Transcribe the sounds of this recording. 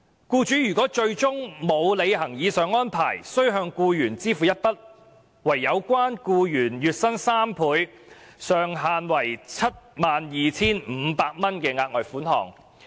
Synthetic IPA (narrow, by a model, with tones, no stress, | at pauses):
kuː˧t͡ʃyː˨˥jyː˨˩kɔː˨˥t͡ʃɵ˧ɥt͡sʊ˥ŋmo˨˧wle˨˧jɦɐ˨˩ŋjiː˨˧sœː˨˧ŋɔː˥npʰaː˨˩jsɵ˥ɥɦœː˧ŋkuː˧jyː˨˩nt͡siː˥fu˨˧jɐ˥t̚pɐ˥t̚ | wɐ˨˩jːɐ˨˧wkwaː˥nkuː˧jyː˨˩njyː˨t̚sɐ˥nsaː˥mpʰuː˨˧j | sœː˨ŋɦaː˨nwɐ˨˩jt͡sʰɐ˥t̚maː˨njiː˨t͡sʰiː˥nm̩ː˨˧paː˧k̚mɐ˥nkɛː˧ŋaː˧k̚ŋɔː˨jfuː˨˥nhɔ̰ː˨˩ŋ